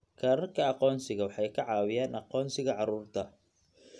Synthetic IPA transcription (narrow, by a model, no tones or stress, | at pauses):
kʰɐːɾɐrkʰɐɑqɔːnsɪɣɐwɑħɑjkʰɐʕɑːwɪjaːnʔɑqɔːnsɪɣɐʕɑɾuːrt̪ʰɐ